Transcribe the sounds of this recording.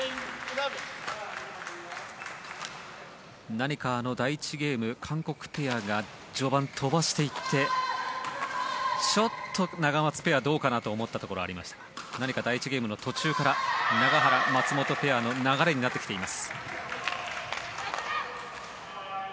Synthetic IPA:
naɲ̟ikaːno̞d̪ait͡ɕiɡʲe̞ːmɯ̟kʰãŋko̞kɯ̟̥pe̞jaɡa | d͡ʑo̞ːbãnt̪ʰo̞baɕi̥t̪e̞it̪ʰːe̞ | t͡ɕo̞t̪ʰːo̞naɡamat͡sɨ̥pe̞jad̪o̞ːkanat̪o̞ːmo̞t̪ːat̪o̞ko̞ɾo̞a̰ɾimaɕi̥t̪ḁnaɲ̟ikad̪ait͡ɕiɡʲe̞ːmɯ̟no̞t̪o̞t͡ɕɨːkaɾanaɡaɦaɾamat͡sɨmo̞t̪o̞pe̞jano̞naɡaɾe̞ɲ̟inat̪ːekʲi̥t̪eimasɨ̥

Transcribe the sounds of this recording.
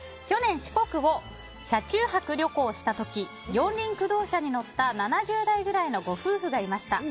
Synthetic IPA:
kʲo̞nẽ̞ɰ̃ɕi̥ko̞kɯ̟βo̞ | ɕat͡ɕɨːhakɯ̟ɾʲo̞ko̞ːɕi̥t̪at̪o̞kʲi | jõ̞nɾʲĩŋkɯ̟d̪o̞ːɕaɲ̟ino̞t̪ːananaʑɨːd̪aiɡɯ̟ɾaino̞ɡo̞ɸɯːɸɯɡaimaɕi̥t̪a

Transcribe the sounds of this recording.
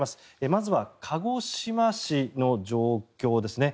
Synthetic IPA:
masɨ̥ | emazɨβakʰaɡo̞ɕimaɕino̞d͡ʑo̞ːkʲo̞ːd̪e̞sɨne̞

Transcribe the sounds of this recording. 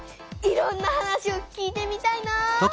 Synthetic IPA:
iɾõ̞nːahanaɕio̞kʲiːt̪e̞mʲit̪aina

